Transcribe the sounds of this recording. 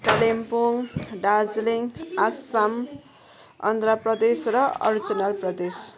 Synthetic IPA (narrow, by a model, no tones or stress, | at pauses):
kalempoŋɖad͡zliŋasam | ʌ̰nd̪raprʌd̪esrʌʌ̰ɾid͡zʌnalprʌd̪es